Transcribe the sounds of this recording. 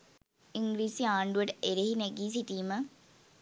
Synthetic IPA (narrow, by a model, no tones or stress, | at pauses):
iŋɡɾiːsiaːɳɖuʋɐʈəʔeɾehineɡiːs̬iʈiːmə